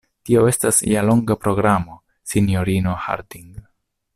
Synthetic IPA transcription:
tio̞e̞stasjalo̞ŋɡapɾo̞ɡɾamo̞ | sinjo̞ɾino̞ha̰ɾdiŋɡ

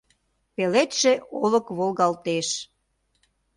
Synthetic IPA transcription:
pelet̪ʃeolə̆kβolɣɑlt̪eʃ

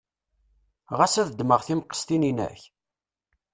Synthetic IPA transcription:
ʁasæðd̪məʁθimqːə̥st̪ininæ̰ç

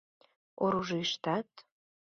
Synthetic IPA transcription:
oɾuʒiʃt̪ɑt̪

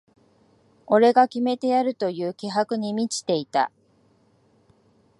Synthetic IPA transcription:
o̞ɾe̞ɡakʲime̞t̪e̞jaɾɯ̟t̪o̞jɯ̟ːkʲeɦakɯ̟ɲ̟imʲit͡ɕi̥t̪e̞it̪a̰

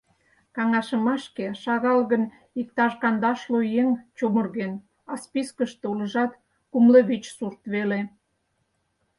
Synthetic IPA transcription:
kɑŋɑʃəmɑʃkeʃɑɣɑlɣən | ik̚t̪ɑʒkɑnd̪ɑʃlujeŋt͡ɕomərɣen | ɑspiskəʃt̪eulə̆ʒɑt̪ | kumleβit͡ɕsurt̪βele

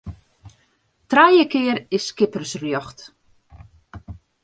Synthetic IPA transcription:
trajəkɪəɾɪsːkɪpərsrjɔxt

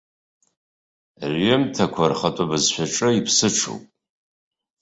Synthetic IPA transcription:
rɥɪmtʰakʷʰarχɐtʼabɨzɕʷᶣaʈ͡ʂʼɨipʰsɨʈ͡ʂʰo̰wpʼ

